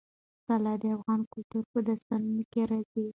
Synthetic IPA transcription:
salɑd̪əafɣɑnkʊlt̪uɾpəd̪ast̪anənokeɾɑzi

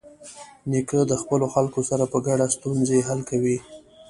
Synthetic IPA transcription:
nikəd̪əxpəloxalkosaɾapəɡaɽast̪unzeɦalkawi

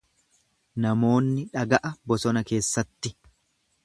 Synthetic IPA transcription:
nɐmo̞ːnːɪᶑɐɡɐʔɐbɔsɔnɐke̞ːsːɐt̪ːɪ

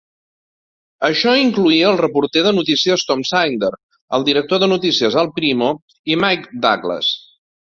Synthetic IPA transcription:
əʃɔiŋkluiəːlˠrəpuɾt̪ɛðənut̪isiəst̪ɔmsajnd̪əɾ | əlˠd̪iɾək̚t̪oðənut̪isiəzəlˠpɾimo | imajkd̪a̰klə̰s

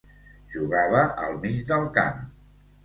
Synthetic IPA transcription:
ʒuɣaβəʔəlˠmid͡ʒd̪əlˠka̰m

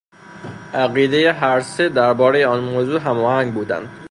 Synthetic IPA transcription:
ʔæɣiːd̪e̞jeɦæɾsed̪æɾbɒːɾejeɒnmoːzuːɦæmɒːhæŋɡbuːd̪æ̰nd̪̥

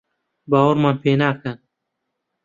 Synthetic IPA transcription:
baːwɐɾmaːnpʰeːnaːkɐn

